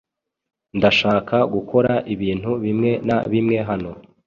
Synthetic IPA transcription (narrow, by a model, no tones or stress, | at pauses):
ndaʃaːkaɡuko̞ɾaʔiβiːn̥huβimŋe̞naβimŋe̞ɦano̞